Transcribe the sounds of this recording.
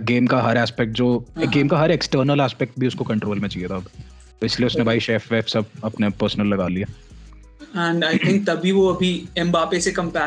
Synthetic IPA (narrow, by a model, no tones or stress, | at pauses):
ɡeːmkaɦɐɾɛːspɛk̚ʈ̚d͡ʒoːɡeːmkaɦɐɾeksʈəːɾnəlaːspɛːk̚ʈ̚bʱiʊskokɐ̃ɳʈɾoːlmẽt͡ʃaijet̪ʰaɐb | pɪsleʊsnebʱaːiʃeːfeːfsɐb̚ɐpnepəːɾsnəlːɐɡaːlijaː | ɛ̃ɳɖaɪt̪ʰɪ̃ŋk̚t̪ɐbʱiʋoɐbʱiɛ̃mbaːpesekɐ̃mpæ